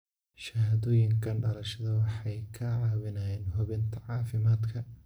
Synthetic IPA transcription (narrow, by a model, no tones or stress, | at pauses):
ʃɐɦɐðɔːjɪŋkʰɐnɖɐlɐʃɐðɐwɑħɑjkʰɐʕɑːβɪnɐjɛːnɦʊβɪnt̪ʰɐʕɑːfɪmaːd̪kʰɐ